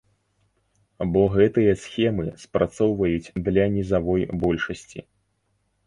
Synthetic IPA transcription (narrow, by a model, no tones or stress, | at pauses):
bɔɣɛt̪ɨjɐsxʲɛmɨspɾat̪sɔwvɐjut͡sʲd̪lʲɐnʲizavɔjbɔlʲʂɐsʲt͡sʲḭ